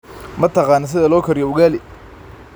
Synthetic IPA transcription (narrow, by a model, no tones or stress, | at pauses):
mɐt̪ʰɑqɑːnɔs̬ɪðɐlɔːkʰɐɾɪjɔʊɣaːlɪ